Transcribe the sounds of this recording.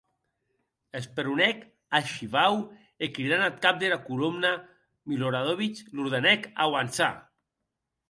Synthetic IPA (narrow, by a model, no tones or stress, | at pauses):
espeɾunɛk | aʃiβaw | ekɾiðanat̪̚kap̚d̪elakulumna | miloɾaðoβit͡ʃluɾðenɛka̰wansa̰